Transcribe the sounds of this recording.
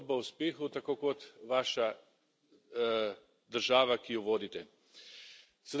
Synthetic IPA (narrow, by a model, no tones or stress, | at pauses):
d̪̚bawspeːxut̪akoːkɔt̪ʋaːʃa | d̪əɾʒaːʋakijɔʋoːd̪it̪ɛ | sɛd̪